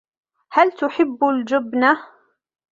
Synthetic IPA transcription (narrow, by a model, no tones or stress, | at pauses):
halt̪ʊħɪbːʊld͡ʒɪbna